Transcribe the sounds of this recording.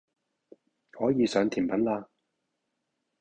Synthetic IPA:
hɔː˨˥jiː˨˧sœː˨˧ŋt̪ʰiː˨˩npɐ˨˥nlaː˧

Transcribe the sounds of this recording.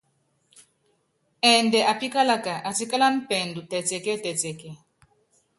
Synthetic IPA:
ɛ˨ndɛ˨ʔa˨pi˦ka˦la˦ka˨ʔa˨ti˦ka˦la˦n̩˦pɛ˨ndu˨tɛ˨tɛ˨kɛ˦tɛ˨tɛ˨kɛ˦

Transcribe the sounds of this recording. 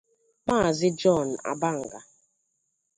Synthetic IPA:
k͡pa˦˨zɪ˦d͡ʒɔ˦˨n̩˨a̰˨ba˦ŋ̩˨ɡa˨

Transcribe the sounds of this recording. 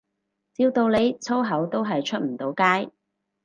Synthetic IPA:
t͡siː˧wt̪o˧wle˨˧jt͡sʰo˥wɦɐ˨˥wt̪o˥wɦɐ˨jt͡ʃʰɵ˥t̚m̩˨˩t̪o˨˥wkaː˥j

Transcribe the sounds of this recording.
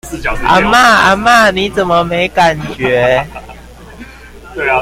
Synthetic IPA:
ʔa̰˨˧˦ma˥˩a̰˧˦ma˥˨ni˨˦t͡sə˨˩nmə˦me˧˦ɪka˨˩nt͡ɕɥɛ˨˦

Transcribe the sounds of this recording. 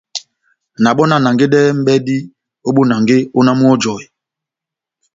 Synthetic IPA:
na˨ɓɔ˦na˨na˨ŋɡe˦ɗɛː˦m̩˦ɓɛ˦di˦ | o˦ɓo˦na˨ŋɡe˦o˦na˦mu˦ɔ˦d͡ʒɔ˨i˨

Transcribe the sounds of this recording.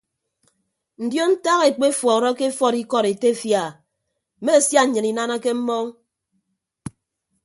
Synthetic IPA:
n̩˨djo˦n̩˦ta˦ɣe˨k͡pe˦fwɔ˨ɾɔ˦ke˦fɔ˦˨ɾi˦kɔ˦˨ɾe˨te˦˨fja˨ | me˦˨sja˦˨ɲɨ˨ni˨na˦na˦ke˦m̩˦mɔ˦ŋ

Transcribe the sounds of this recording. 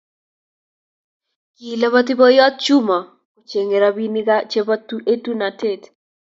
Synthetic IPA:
ki˨le˦βa˦t̪̬i˦bo˦jɔ˦t̪̚t͡ʃu˦mɔ˨ | o˨t͡ʃe˨ŋe˨ɾa˦bi˦ni˦ka˦t͡ʃe˦ba˦tu˦ʔe˦tu˦na˨te˦˨t

